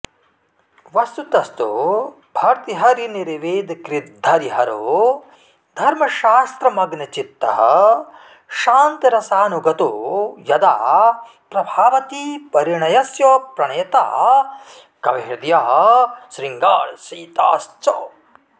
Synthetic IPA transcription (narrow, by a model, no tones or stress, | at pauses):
ʋɐst̪ut̪ɐst̪o̰ | bʱɐɾt̪iɦɐɾiniɾʋeːd̪ʱkɾid̪ʱːɐɾiɦɐɾoː | d̪ʱɐɾmɐʃaːst̪ɾɐmɐɡnɐt͡ʃit̪ːɐɦɐ̰̆ | ʃaːnt̪ɐɾɐsaːnuɡɐt̪oːjɐd̪a̰ː | pɾɐbʱaːʋɐt̪ipɐɾiɳɐjɐsjoːpɾɐɳeːt̪a̰ː | kɐʋeːɾd̪jɐɦɐ̆ʃɾiŋɡaːɭsiːt̪a̰ːst͡ʃoː